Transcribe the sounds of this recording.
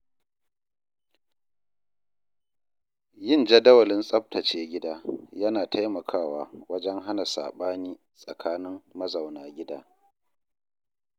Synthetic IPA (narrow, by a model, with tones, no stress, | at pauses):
jɪ˦nd͡ʒɐ˦dɐ˦wɐ˨lɪ˦nsʼɐ˦p̚tɐ˨t͡ʃeː˦ɡʲɪ˦daː˦jɐ˦naː˨tʰa˦jmɐ˨kʰaː˦˨waː˨wɐ˦d͡ʒɛ˦ŋɦa˦na˨sa̰ː˨ɓaː˦niː˦ | sʼɐ˨kʰaː˦nɪ˦ŋːɐ˦za˨wnaː˨ɡʲɪ˦daː˦